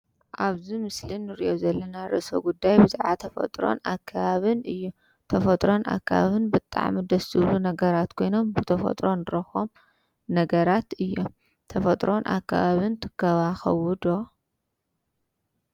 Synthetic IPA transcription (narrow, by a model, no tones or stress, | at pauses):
ʔaβzimɨslinːɨɾiʔo̞zɐlːɐnaɾɨ̰ʔɨso̰ɡud̪ːajbɨzʕat̪ʰɐfɐ̰t̪ʼɾo̞̰nakʰːaβaβɨnɨjːu | t̪ʰɐfɐt̪ʼɾo̞na̰kːaβa̰βɨnbɨt̪ʼːa̰ʕmid̪ɐsɨβlunɐɡɐɾat̪kʰo̞jno̞mbɨt̪ʰɐfɐ̰t̪ʼɾo̞nɨɾɐxom | nɐɡɐɾat̪ɨjːo̞m | t̪ʰɐfɐt̪ʼɾo̞nʔa̰kʰːa̰βaβint̪ʰɨ̥kʰːɐβaxɐ̰wɨd̪o